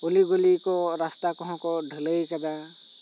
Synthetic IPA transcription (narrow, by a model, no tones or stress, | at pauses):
uliɡulikɔɾast̪akɔɦɔ̃kɔɖʱələjkad̪a